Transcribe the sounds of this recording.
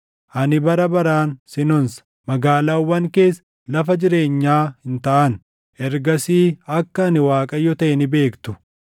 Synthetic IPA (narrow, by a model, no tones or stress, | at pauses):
ʔɐnɪbɐɾɐbɐɾaːnsɪnɔns | mɐɡaːlaːwːɐŋke̞ːs | lɐfɐd͡ʒɪɾe̞ːɲːaːhɪnt̪ɐʔɐn | ʔɛɾɡɐsiːɐkːɐːnɪwaːkʼɐjːɔt̪ɐʔɛnɪbe̞ːkt̪ʊ̥